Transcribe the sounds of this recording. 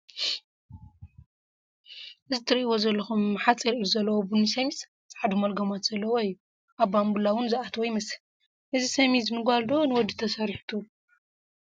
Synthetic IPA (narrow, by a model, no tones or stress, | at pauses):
ʔɨzɨt̪ʰɨɾɨʔiwo̞zɐlːɐxumħat͡sʼiɾʔijuzɐlːɐwobunisɐmis | t͡sʼaʕd̪umɐlɡɐmat̪z̥ɐlːɐwoijːu | ʔaβbambulːawʊnzɨʔat̪ʰwɔjmɐs | ʔɨzisɐmizɨnɨɡʷald̪onɨwɔd̪it̪ʰɐsɐɾħt̪ʰu